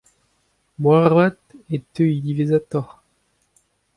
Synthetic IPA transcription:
mwaʁvat̪et̪øilivezat̪ɔʁ

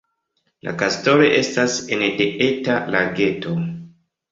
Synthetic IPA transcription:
lʔa̰kasto̞ɾeʔe̞stasendeetalaɡe̞to

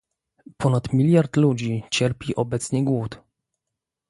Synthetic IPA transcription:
pʰɔnat̪mʲilʲjaɾt̪lud͡ʑit͡ɕɛɾpʲiʔɔbɛt̪sɲɛɡwut̪

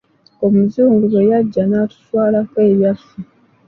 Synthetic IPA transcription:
o̞muzuːŋɡuɡejaɟːanaːtu̥twaːlakwe̞ːɾjafi

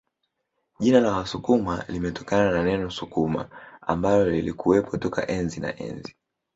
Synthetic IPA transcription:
ʄinalawasukumalimɛtɔkanananɛnɔsukuma̰a̰mbalɔlilikuwɛpʰɔtɔka̰ʔɛnzina̰ʔɛ̰nzi

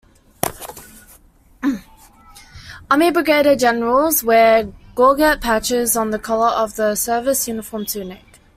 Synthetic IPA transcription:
ɑmibɹɪɡeɪɾəd͡ʒɛnəɹəlˠzwəɡ̥ɔːɡəpʰat͡ʃɪzn̩ðəkʰʌləɹʔəvðəsɜːvɪsjʉːnɪfɔːmtʰʉːnɪk

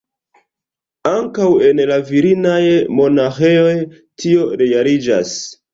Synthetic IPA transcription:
aŋkawe̞nlaviɾinajmo̞naxe̞jo̞j | tʰio̞ɾejaɾid͡ʒa̰s

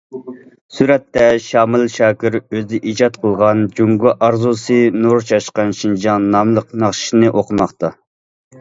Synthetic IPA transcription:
syɾɛt̪ːɛʃɑːmɨlˠʃɑːkʲiɾøzɪʔid͡ʒɑt̪̚qʰəlˠʁɑnd͡ʒuŋɡuʔɑɾzusɨnuɾt͡ʃʰɑʃqɑnʃind͡ʒɑnːɑmlˠəqnɑχʃi̥ʃnɨʔoqəmɑχt̪ɑ

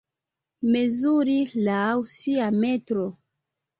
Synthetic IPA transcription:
me̞zuɾilawsiametɾo

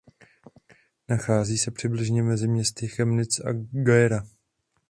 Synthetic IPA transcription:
naxaːziːsɛpr̝̥ɪblɪʒɲɛmɛzɪmɲɛst̪ɪxɛmnɪt͡sa̰ɡajɛɾa

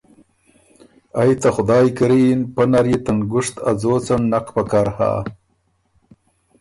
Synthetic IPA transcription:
ajt̪axʊd̪ɑːjkəɾiːnpənaɾit̪aŋɡʊʂt̪azoːt͡sanːaqpakaɾha̰

